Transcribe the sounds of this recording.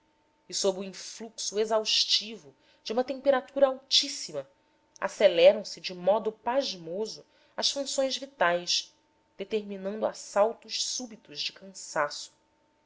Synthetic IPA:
isobɾuĩfluksuezawʃt͡ʃivʊ | d͡ʒɪũmɐt̪ẽpeɾat̪uɾɐawt͡ʃisimɐ | a̰selɛɾɐ̃w̃sɪd͡ʒɪmɔd̪ʊpaʒmozʊ | ɐʃfũsõj̃zvit̪ajʃ | d̪̥et̪eɾminɐ̃nd̪ʊa̰sawt̪ʊʃsubit̪ʊʒd͡ʒɪkʰɐ̃sasʊ̥

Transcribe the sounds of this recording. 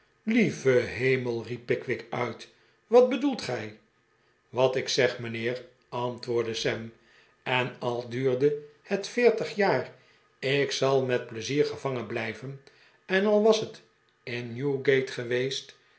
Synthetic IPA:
livəɦejməlˠripːɪkʋɪkœɥt | ʋɑd̚bədulˠtχɛj | ʋɑtɪksɛχmənɪːr | ɑntʋʊːɹdəsɛm | ɛnɑlˠdyːɹdəhətfɪːɹtəχjaːr | ɪksɑlˠmɛt̚pləziːɹχəvɑŋənblɛjvən | ɛnɑlˠʋɑsət | ɪnjuɡejtχəʋejst

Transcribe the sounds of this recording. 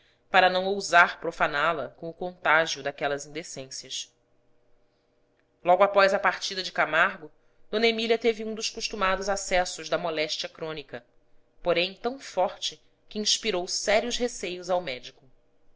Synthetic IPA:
paɾɐnɐ̃w̃owzaɾpɾofanalɐkõʊkõnt̪aʒiʊd̪akɛlɐzĩnd̪esẽsjɐʃ | lɔɡʊapɔzɐpaɾt͡ʃid̪ɐd͡ʒɪkamaɾɡʊ | d̪̥õnɐemiliɐt̪eviũd̪ʊʃkuʃt̪umad̪ʊzasɛsʊʒd̪ɐmɔlɛʃt͡ʃiɐkɾõnikɐ | poɾẽj̃t̪ɐ̃w̃fɔɾt͡ʃɪ | kʲɪĩʃpiɾowsɛɾiʊzɦesejʊzawmɛd͡ʒikʊ

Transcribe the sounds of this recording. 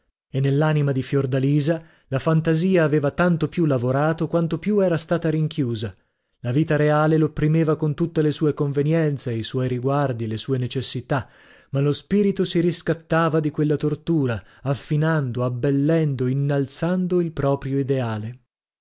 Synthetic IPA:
enːelːaːnimad̪ifjord̪aliːza | lafant̪aziːaːveːvat̪ant̪opjulːavoɾaːt̪okwant̪opjuɛːɾast̪aːt̪aɾiŋkjuːza | laviːt̪aɾeaːlelopːɾimeːvakont̪ut̪ːelesuːekoɱvenjɛnt̪seiswɔjɾiɡward̪ilesuːenet͡ʃesːit̪a | malospiːɾit̪osiɾiskat̪ːaːvad̪ikwelːat̪ort̪uːɾa | afːinand̪oabːelːɛnd̪oinːalt̪sand̪oilpɾɔːpɾjoid̪eaːle

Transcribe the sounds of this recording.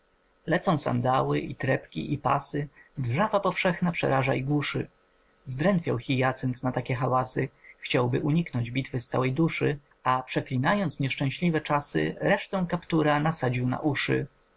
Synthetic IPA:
lɛt̪sɔ̃w̃sa̰nd̪awɘʔit̪ɾɛpkʲḭʔipa̰sɘvʐavapɔfʂɛxnapʂɛ̰ɾaʐaiɡwuʂɘ̰ | zd̪ɾɛnt̪fʲja̰wxʲijat̪sɛnt̪nat̪akʲɛxawasɘxt͡ɕawbɘʔuɲiknɔɲd͡ʑbʲit̪fɘst̪sa̰wɛjd̪uʂɘ | apʂɛklʲinajɔnt̪sɲɛʂt͡ʂɛ̃w̃ɕlʲivɛt͡ʂasɘ̰ɾɛʂt̪ɛ̃w̃kapt̪uɾanasad͡ʑiwna̰ʔuʂɘ̰

